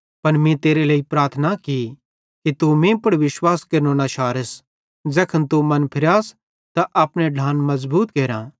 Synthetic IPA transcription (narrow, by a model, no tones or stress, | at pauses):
pɐnmĩt̪eːɾeleːipɾaːɾt̪ʰnaki | kit̪umẽpɐɽʋɪʃwaːskeɾnõːnaʃaːɾəs | d͡ʒɐkʰənt̪umɐnpʰɪɾjaːs | t̪aʔɐpɽ̃ẽɖʱãːnmɐzbuːt̪keːɾã̰ː